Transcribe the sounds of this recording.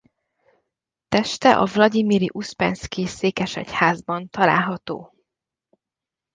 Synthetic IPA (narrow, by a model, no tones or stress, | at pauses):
t̪ɛʃt̪ɛʔɒvlɒɟimiɾiʔuspɛnskiseːkɛʃɛ̰chaːzbɒnt̪ɒla̰ːlɦɒt̪o̰ː